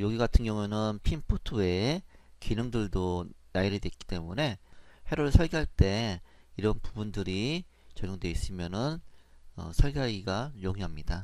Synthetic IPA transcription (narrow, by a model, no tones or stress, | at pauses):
joɡiɡatʰɯnɡjʌŋunɯnpʰimpʰutʰue̞kinɯŋdɯɭdonaiɾɯdwek͈i̥t͈e̞mune̞he̞ɾoɯɭsʰʌɭɡiɦaɭt͈e̞ | iɾʌnpubundɯɾi | t͡ɕʌɲoŋde̞is͈ɯmjʌnɯnʌ̰sʰʌɭɡiɦaɡiɡajoɡiɦamɲida